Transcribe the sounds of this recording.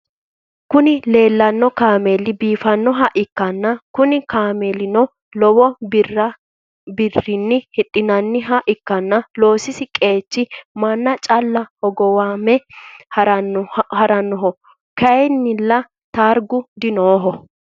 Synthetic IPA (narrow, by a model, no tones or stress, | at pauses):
kʊnɪle̞ːlːɐnːɔkaːmeːlɪbiːfɐnːɔɦɐʔɪkːɐnːɐkʊnɪkaːmeːlɪnɔ | lɔwɔbrːɐ | bɪrːɪnːɪhɪɗʼːɪnɐnːɪɦɐʔɪkːɐnːɐlo̞ːsɪsɪkʼe̞ːt͡ʃːɪmɐnːɐt͡ʃʼɐlːɐhɔɡɔwaːmɛɐɐhɐɾɐnːɔɦɔ | kɐjnːɪlːɐ | t̪aːɾɡʊd̪ɪnoːɦɔ